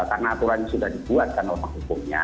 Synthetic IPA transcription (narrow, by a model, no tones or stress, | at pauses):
karnaːt̪uɾaɲasudahdibuat̪̚kanomaŋɦukʊmɲa̰